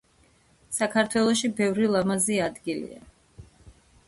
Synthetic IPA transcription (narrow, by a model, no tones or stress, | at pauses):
sakʰaɾt̪ʰwɛlˠɔʃibɛvɾilˠamaziad̪ɡilḭa̰